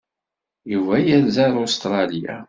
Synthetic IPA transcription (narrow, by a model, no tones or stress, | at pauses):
juvæjælzaɾost̪ɾˤɑlja̰